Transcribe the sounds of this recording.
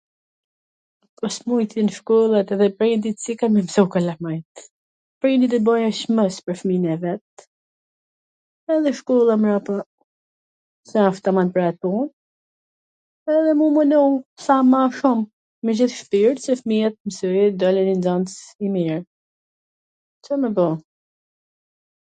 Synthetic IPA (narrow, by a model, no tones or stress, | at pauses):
pɔsmujt̪ɛnʃkulˠat̪ɛðɛpɾind̪it̪t͡sikamɛmsukalamajt̪ | pɾind̪it̪̬əbɔjɛʃməspəɾfminɛvɛt̪̚ | ɛðɛʃkɔlˠamɾapa | sɛaft̪amanpɾɛpun | ɛðɛmumənusamaʃumː | əd͡ʑiθʃpiɾt̪sɛfmiɛt̪̚msujɛd̪ɔlɛnind͡zant͡simiɾ | t͡səməbɔ